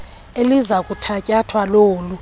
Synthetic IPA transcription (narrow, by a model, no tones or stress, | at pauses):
elizakʼutʰacʼatʰwaloːlu